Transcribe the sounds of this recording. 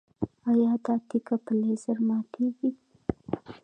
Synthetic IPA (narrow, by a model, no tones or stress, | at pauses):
ajɑd̪ɑt̪ikapəlezəɾmɑt̪eɡi